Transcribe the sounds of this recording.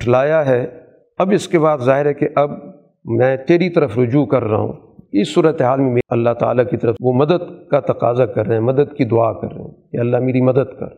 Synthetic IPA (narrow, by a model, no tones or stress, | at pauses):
ʈʰlaːjaɦɛː | ɐbɪskeβaːd̪zaːɦɪɾɦɛkeʔɐb | mɛ̃ːt̪eːɾit̪ɐɾəfɾʊd͡ʒuːkɐɾːa̰ɦṵ̃ː | kɪsːuːɾət̪eɦaːlmẽmɐlːaɦt̪a̰ːlakit̪ɐɾəfʋomɐd̪əd̪kat̪ɐqaːzakɐɾːeɛ̃mɐd̪əd̪kid̪ʊaːkɐ̰ɾːḛɦṵ̃jaɐlːaɦmeːɾimɐd̪əd̪kɐ̰ɾ